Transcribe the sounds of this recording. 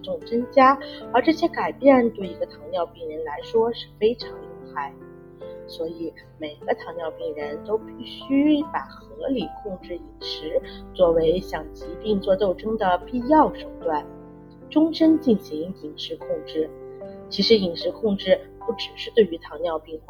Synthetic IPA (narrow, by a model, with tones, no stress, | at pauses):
ʈ͡ʂʊ˥˩ŋʈ͡ʂə˥ŋt͡ɕja˥ə˞˧˥ʈ͡ʂɤ˥˩ɕjɛ˥ka˨˩ɪpjɛ˥˩nt̪we˥˩ɪi˧˥ɡə˧t̪ʰɑ˧˥ŋnjɑ˥˧ʊpi˥˩ŋɻə˧˥nla˧˥ɪʂwɔ˥ʂɻ̩˥˩fe˥ɪʈ͡ʂʰɑ˧˥ŋlʊ˥˧ŋxa˥˩ɪd̪ə | swɔ˧˥i˨˩˦ | me˨˩ɪɡ̥ə˦t̪ʰɑ˧˥ŋnjɑ˥˧ʊpi˥˩ŋɻə˧˥nt̪o˥ʊpi˥˩ɕy˥pa˨˩xɤ˧˥li˨˩kʰʊ˥˧ŋʈ͡ʂɻ̩˥˩i˨˩ŋʂɻ̩˧˥t͡swɔ˥˩we˧˥ɪɕjɑ˨˩ŋt͡ɕi˧˥pi˥˧ŋt͡swɔ˥˧t̪o˥˩ʊʈ͡ʂʊ˥ŋd̪ə˨˩pi˥˧jɑ˥˩ʊʂo˨˩ʊt̪wa˥˩n | ʈ͡ʂʊ˥ŋʂə˥nt͡ɕi˥˩nɕi˧˥ŋi˨˩ŋʂɻ̩˧˥kʰʊ˥˧ŋʈ͡ʂɻ̩˥˩t͡ɕʰi˧˥ʂɻ̩˧˥i˨˩ŋʂɻ̩˧˥kʰʊ˥˧ŋʈ͡ʂɻ̩˥˧pu˥˩ʈ͡ʂɻ̩˨˩ʂɻ̩˥˧t̪we˥˩ɪy˧˥t̪ʰɑ˧˥ŋnjɑ˥˧ʊpi˥˧ŋxa˥˩